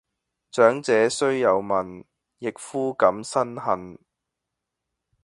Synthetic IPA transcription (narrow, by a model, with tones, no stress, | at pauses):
t͡sœː˨˥ŋt͡sɛː˨˥sɵ˥ɥjɐ˨˧wmɐ˨n | jɪ˨k̚fuː˥kɐ˨˥msɐ˥nhɐ˨n